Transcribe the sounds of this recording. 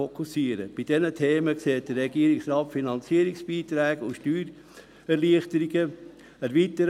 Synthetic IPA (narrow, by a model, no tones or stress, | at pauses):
okʰusiəɾə̰b̥id̥ɛnətʰeːməkseːt̚d̥ərːɛɡiəɾiksɾɑːtfinɑnt͡siəɾɪksb̥iːt̪ɾɛːɡəuʃtyːɾ | ɛɾliəχtəɾiɡə | æɾviːtəɾ